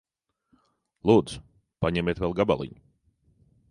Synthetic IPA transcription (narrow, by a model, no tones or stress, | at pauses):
lˠuːd̪z̥ | paɲɛmʲeːt̪vɛlˠɡaba̰lˠḭɲʊ̥